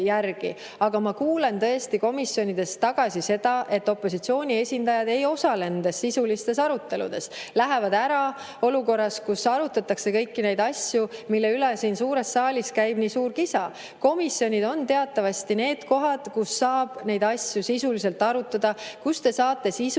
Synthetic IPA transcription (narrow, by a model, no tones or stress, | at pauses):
jærɡ̥ḭ | ɑɡ̥ɑmɑkuːle̞nt̪ɤ̞est̪iko̞misjo̞nʲid̪̥e̞st̪ɑɡ̥ɑsʲise̞d̪̥ɑʔe̞t̪ːˑo̞pːˑo̞sit̪sio̞ːnʲie̞sʲind̪̥ɑjɑd̪e̞jo̞sɑle̞nnd̪e̞sːisulist̪e̞sɑɾut̪ːˑe̞lṵd̪̥e̞slæɦe̞vɑd̪æɾɑ | o̞luko̞rːɑskusɑɾut̪ːˑɑt̪ːˑɑkse̞kɤ̞jkːine̞jd̪ɑsʲjumilːe̞ylɛsiːnsuːɾe̞st̪ːɑːlʲiskæjb̥niːsuːɾkisɑ | ko̞misjo̞nʲid̪o̞nt̪e̞ɑt̪ːˑɑvɑst̪ine̞ːd̪̥ko̞ɦɑd̪̥kusːɑːb̥ne̞jd̪ɑsʲjusisulise̞lt̪ːˑɑɾut̪ːˑɑd̪̥ɑkust̪e̞sɑːt̪ːˑe̞sis